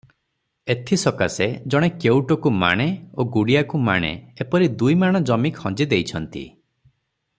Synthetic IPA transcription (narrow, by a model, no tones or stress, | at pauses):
et̪ʰisɔkased͡ʒɔɽ̃ekewʈɔkuma̰ɽ̃eoɡuɽijakuma̰ɽ̃ḛepɔɾid̪ujmaɽ̃ɔd͡ʒɔmikhɔ̃d͡ʒid̪ejt͡ʃʰɔnt̪ḭ